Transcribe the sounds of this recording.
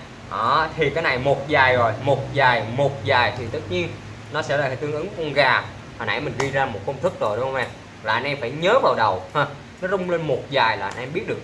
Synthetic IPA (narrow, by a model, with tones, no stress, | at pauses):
ʔɔː˧˩t̪ʰi˨˩kaː˨˦jna˨˩jmo˨˩t̚zaː˨˩jzo˨˩jmo˨˩t̚zaː˨˩jmo˨˩t̚zaː˨˩jt̪ʰi˨˩t̪ɨ˦˥t̚ɲi˧ən | nɔ˨˦sɛ̰˧˥laː˨˩˨t̪ɨ˧əŋʔɨ˨˦ŋkɔ˧nɣaː˨˩ | haː˨˩nʔa̰ː˧˩jmï˨˩ŋ̟zɗi˧zaː˧mo˨˩t̚kə˧wŋ͡mt̪ʰɨ˦˥k̚zo˨˩jɗə˧˦ŋ͡mhə˧wmɛ˧˩ | laː˨˩ʔa˧nʔɛ˧mfaː˧˩jɲəː˨˦vaː˨˩wɗə˨˩wha˧˩ | nɔ˨˦zʊ˧ŋ͡mle˧nmo˨˩t̚zaː˨˩jlaː˨˩ʔa˧nʔɛ˧mɓi˦˥ət̚ɗɨ˨˩ək̚